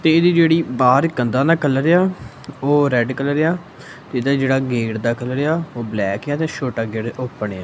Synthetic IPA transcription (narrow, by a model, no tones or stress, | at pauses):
t̪eːɪd̪iːd͡ʒeːɽiːbaːɾkənd̪aːnaːkəlɾeaː | oːɾɛːɖkəlɾejaː | t̪eːɪd̪aːd͡ʒeːɽaːɡeːɽd̪aːkəlɾejaːoːblɛːkjaːt̪eːʃoːʈaːɡeːɽopːɳeaː